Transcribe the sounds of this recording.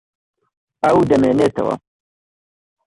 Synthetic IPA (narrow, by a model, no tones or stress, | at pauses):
audɐmenet̪ɐ̰wa̰